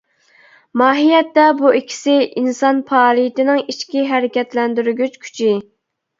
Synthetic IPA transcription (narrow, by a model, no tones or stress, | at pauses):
mɑːɦijɛt̪ːɛbuikʲʰːi̥sɪinsɑnpʰɑːlˠɨjit̪ɪnɪŋit͡ʃkʲiɦɛɾɪkʲɛt̪lɛnd̪yɾɡʲyt͡ʃkʲʰy̥t͡ʃʰi